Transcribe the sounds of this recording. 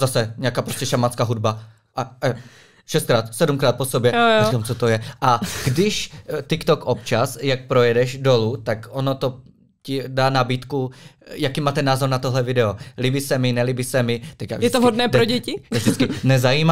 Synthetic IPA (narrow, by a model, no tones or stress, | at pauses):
zasɛɲɛakaːpɾoscɛʃamat͡skaːɦudba | ʔaʔɛ | ʃɛst̪̚kɾaːt̪sɛdumkɾaːt̪̚posobjɛjokamt͡sot̪ojɛʔaɡdɪʃt̪ɪkt̪okʔopt͡ʃasjak̚pɾojɛdɛʒdolut̪akʔonot̪o | cɪdaːnabiːt̪kujakiːmaːt̪ɛnːaːzoɾnat̪oɦlɛvɪdɛolibisɛmɪnɛlibisɛmɪt̪ɛcja̰jɛt̪oɦodnɛːp̪ɾoɟɛcɪɛvʒdɪt͡skɪnɛzajiːma